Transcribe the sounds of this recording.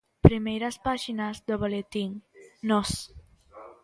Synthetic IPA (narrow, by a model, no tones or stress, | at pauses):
pɾimejɾaspaʒinazðoβolet̪iŋnos